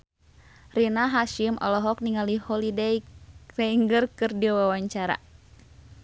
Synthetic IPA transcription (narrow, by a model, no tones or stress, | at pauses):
rinaɦaʃimʔɔ̰lɔɦɔk̚niŋalihɔlidɛjsɛiŋɡɨrkɨrdiawawaɲt͡ʃaɾa̰